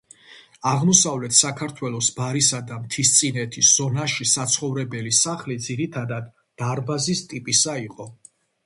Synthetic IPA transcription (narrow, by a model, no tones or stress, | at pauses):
aʁmɔsavlɛt̪ʰsakʰaɾt̪ʰwɛlˠɔsbaɾisad̪amt̪ʰist̪sʼinɛt̪ʰisz̥ɔnaʃisat̪sʰχɔvɾɛbɛlisaχlid̪ziɾit̪ʰad̪ad̪ːaɾbazist̪ʼipʼisaiqʼɔ